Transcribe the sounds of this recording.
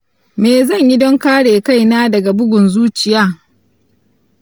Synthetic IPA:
meː˨zɐ˦˨ɲji˦dɔ˦ŋkaː˦ɽeː˨ka˦˨jnaː˦dɐ˨ɡa˨bʊ˦ɡʷʊ˨nzuː˦t͡ʃɪ˨jaː˦

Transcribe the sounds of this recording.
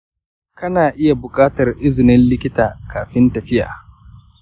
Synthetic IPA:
kɐ˦naː˨ʔɪ˦ja˨bʊ˨kʼaː˦tɐ˨rʔɪ˦zɪ˨nɪ˦nlɪ˦kʲɪ˦taː˨kaː˨ɸɪ˦ntɐ˨ɸɪ˦ʔa̰ː˨

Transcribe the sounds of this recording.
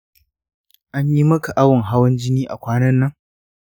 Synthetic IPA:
ʔa˦ɲji˦mɐ˦ka˨ʔa˦wʊ˨ŋɦa˦wɐ˦nd͡ʒɪ˦niː˦ʔa̰˨kʷaː˦nɐ˦nːɐ˦ŋ

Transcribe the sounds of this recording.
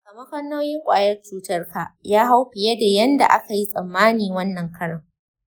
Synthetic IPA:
kɐ˨mɐ˦ɸɐ˦nːoː˦jɪ˦ŋkʷʼa̰ː˨jɐ˦rt͡ʃuː˦tɐ˦rka˨jaː˦ɦa˦wɸɪ˨je˦da˨jɐ˦nda̰˨ʔa˦ka˨ji˦sʼɐ˨mːaː˦niː˨wɐ˦nːɐ˨ŋkʰɐ˦ɽɐ˨ŋ

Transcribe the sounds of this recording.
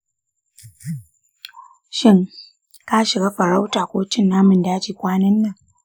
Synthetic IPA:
ʃɪ˦ŋ | ka˦ʃɪ˨ɡaː˦ɸɐ˨ɾa˦wtaː˨kʷoː˦t͡ʃɪ˦nːaː˦mʊ˨ndaː˦t͡ʃiː˨kʷaː˦nɐ˦nːa˨ŋ

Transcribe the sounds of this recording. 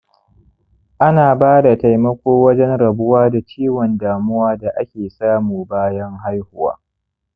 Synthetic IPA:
ʔa˦naː˨baː˦da˨ta˨jmɐ˦kʷoː˦wɐ˦d͡ʒɛ˦nɽɐ˨bʊ˦waː˦da˨t͡ʃiː˦wɔ˨ndaː˨mʊ˦waː˦da˨ʔa˦kʲeː˨saː˦muː˨baː˦jɐ˦ŋɦa˦jhʊ˦wa̰ː˦

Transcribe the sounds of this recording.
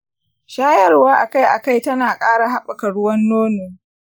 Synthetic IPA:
ʃaː˦jɐ˦rwaː˦ʔa˨ka˦jʔa˨ka˦˨jtɐ˦naː˨kʼaː˦ɽa˨ɦa˦ɓa˨kɐ˨ɽʊ˦wɐ˦nːoː˦noː˨

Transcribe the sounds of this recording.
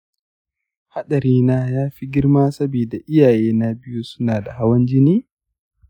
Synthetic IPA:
ha˦ɗɐ˨ɾiː˦naː˦jaː˦ɸi˦ɡʲɪ˦ɾmaː˦sɐ˦biː˨da˨ʔɪ˦jaː˨jeː˦na˦bɪ˦ju˦sʊ˦naː˨da˨ha˦wɐ˦nd͡ʒɪ˦niː˦

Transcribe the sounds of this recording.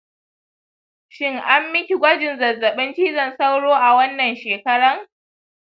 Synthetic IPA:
ʃɪ˦ŋʔa˦mːɪ˦kʲi˨ɡʷɐ˦d͡ʒɪ˨nzɐ˨zːɐ˨ɓɪ˦nt͡ʃiː˦zɐ˨nsa˦wɽoː˦ʔa˨wɐ˦nːɐ˨nʃeː˨kɐ˦ɽɐ˦ŋ

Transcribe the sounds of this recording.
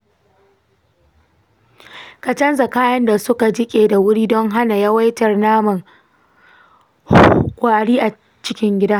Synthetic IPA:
kɐ˨t͡ʃɐ˦nza˨kaː˦jɐ˦nda˨sʊ˦ka˨d͡ʒɪ˦kʲʼeː˨da˨wʊ˦ɽiː˦dɔ˦ŋɦa˦na˨ja˦wa˦jtɐ˨rnaː˦mʊ˨ŋ | kʷa˨ʔa˨ɽiː˦ʔa˨ | t͡ʃɪ˦kʲɪ˦ŋɡʲɪ˦da˦

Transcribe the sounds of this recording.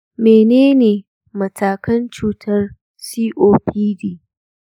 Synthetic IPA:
meː˨neː˦neː˨ | mɐ˨tʰaː˨kɐ˦nt͡ʃuː˦tʰɐ˦r | siː˦ʔoː˦pʰiː˦diː˦

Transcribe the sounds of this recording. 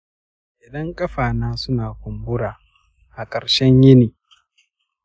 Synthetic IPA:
ʔɪ˨dɐ˦ŋkʼɐ˦ɸaː˨naː˦sʊ˦naː˨kʷʊ˨mbʊ˦ɽaː˨ | ʔa˨kʼɐ˨ɾʃɛ˦ɲjɪ˦niː˨

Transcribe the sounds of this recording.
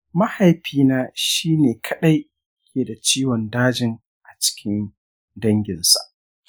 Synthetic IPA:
ma˦ha˨jɸiː˦naː˦ʃiː˦neː˨kʰɐ˦ɗa˦j | kʲʰeː˨da˨t͡ʃiː˦wɔ˨ndaː˦d͡ʒɪ˨ŋ | ʔa˨t͡ʃɪ̥˦kʲɪ˦n | dɐ˦ŋɡʲɪ˨nsa̰˨ʔ

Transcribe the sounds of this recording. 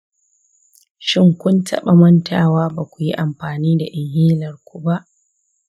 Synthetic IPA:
ʃɪ˦ŋkʷʊ˦ntʰɐ̰˦ɓa˨mɐ˦ntʰaː˨waː˦baː˨kʷu˨ji˦ʔa˨mɸaː˨niː˦da˨ʔɪ˨ŋhiː˦lɐ˨rkʷu˦ba˦ʔ

